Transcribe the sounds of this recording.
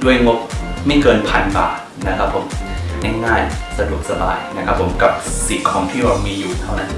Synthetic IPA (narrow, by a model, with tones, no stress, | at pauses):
du˥˩əjŋo˦˥p̚ma˥˩jkɤː˧npʰa˧nba̰ː˨˩t̪̚na˦˥kʰa˦˥pʰːo˩˦mnɛː˥˩ŋːaː˥˩jsa˧du˨˩ək̚sa˧ba̰ː˧jna˦˥kʰa˦˥pʰːo˩˦mka˨˩p̚si˨˩t̚kʰɔː˩˦ŋt̪ʰiː˥˩ɾaː˧wmiː˧juː˨˩t̪ʰa˥˩wna˦˥n